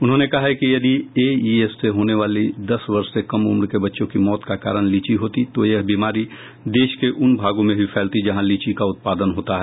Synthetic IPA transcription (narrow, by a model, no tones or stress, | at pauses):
ʊnɦõnekɐɦaɦɛkijɐd̪ieiesːeɦoːneʋaːlid̪ɐsʋɐɾʃsekɐmʊmɾkebɐtːʃõkimɔːt̪kaka̰ːɾəɽ̃liːt͡ʃiɦoːt̪it̪ojɐɦbiːmaːɾi | d̪eːʃkeʔʊnbʱaːɡõmẽɦifʰɛːlt̪id͡ʒɐɦãliːt͡ʃikaʊt̪̚paːd̪ənɦoːt̪aɦɛː